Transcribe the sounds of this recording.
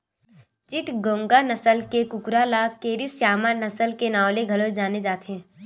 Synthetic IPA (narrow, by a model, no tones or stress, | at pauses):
t͡ʃɪʈɡõːŋɡanɐsəlkekʊkɾalakeːɾisjaːmanɐsəlkenaːwleɡʱɐlod͡ʒaːned͡ʒaːt̪ɛ̃ː